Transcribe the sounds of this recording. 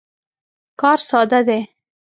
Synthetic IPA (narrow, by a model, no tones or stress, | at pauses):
kɑɾsɑd̪ad̪e